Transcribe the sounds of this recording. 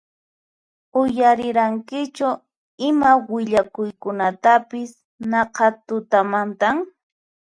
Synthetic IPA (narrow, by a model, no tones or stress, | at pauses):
ʊjaɾɪɾaŋkɪt͡ʃʊ | ɪmawɪʎakʊjkʊnat̪apɪs | nɑqɑt̪ʊt̪amant̪aŋ